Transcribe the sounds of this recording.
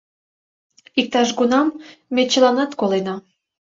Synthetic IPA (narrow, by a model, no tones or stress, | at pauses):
ik̚t̪ɑʃɡunɑmːet͡ɕə̆lɑnɑt̪kolenɑ